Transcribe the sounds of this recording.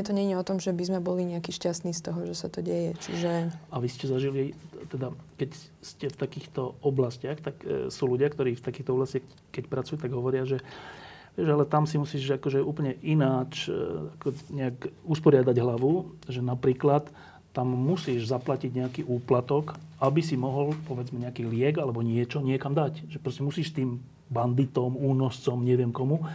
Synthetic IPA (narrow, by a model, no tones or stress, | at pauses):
ɛt̪ɔɲɛɲiɔt̪ɔmʒɛbizmɛbɔliɲɛakiːʃcast̪niːst̪ɔɦɔʒɛsat̪ɔɟɛjɛt͡ʃḭʒɛaʋiscɛzaʒilit̪ɛd̪akɛc | scɛft̪akiːxt̪ɔɔblascɪaxt̪aksuːluɟɪakt̪ɔɾiːft̪akiːxt̪ɔɔblascax | kɛcpɾat͡sujuːt̪aɡɦɔʋɔɾɪaʒɛ | ʋɪɛʒalɛt̪amsimusiːʒakɔʒɛuːpəl̩ɲɛʔinaːt͡ʃakɔɲɛakuspɔɾɪad̪aɟɦlaʋuʒɛnapɾiːklat̪ː | amːusiːʒzaplaciɟɲɛakiːʔuːplat̪ɔkabisimɔɦɔlpɔʋɛd͡zmɛɲɛakiːlɪɛɡalɛbɔɲɪɛt͡ʃɔɲɪɛkamd̪acʒɛpɾɔscɛmusiːʃt̪iːm | band̪it̪ɔmuːnɔst͡sɔmɲɛʋɪɛmkɔmu